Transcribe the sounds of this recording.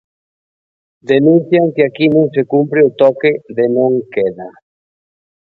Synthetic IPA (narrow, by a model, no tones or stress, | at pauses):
d̪enũn̟θjaŋkɪakinõŋsekumpɾeʊt̪ɔkeðenõŋkeða